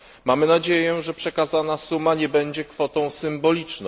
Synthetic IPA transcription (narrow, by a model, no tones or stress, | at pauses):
mamɘnad͡ʑejɛʐɛpʂɛkazanasumaɲɛbɛɲd͡ʑɛkfɔt̪ɔ̃w̃sɘmbɔlʲit͡ʂnɔ